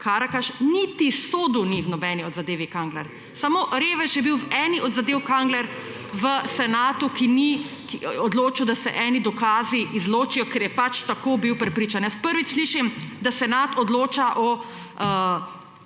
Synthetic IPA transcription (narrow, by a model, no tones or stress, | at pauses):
kaːɾakaʃnit̪isoːd̪uniwnɔbɛniɔd̪zad̪eːʋikaŋɡlɛɾ | samoːɾeːʋɛʃjɛbiwʋɛːniʔɔd̪zad̪eːwkaŋɡlɛɾ | ʋəsɛnaːt̪ukini | kiɔd̪loːt͡ʃiwd̪asɛ̰ʔɛːnid̪ɔkaːziizloːt͡ʃijɔkɛɾjɛpat͡ʃt̪akobiwpɾɛpɾiːt͡ʃanjɛspəɾʋit͡ʃsliʃimd̪asɛnaːt̪ɔd̪loːt͡ʃaʔɔ | ə